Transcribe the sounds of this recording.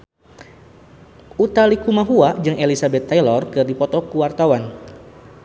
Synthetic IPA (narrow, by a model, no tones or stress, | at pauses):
ʔut̪alikumaɦuad͡ʒɨŋelisabɛt̪ːajlɔrkɨrdipɔt̪ɔkuwart̪awan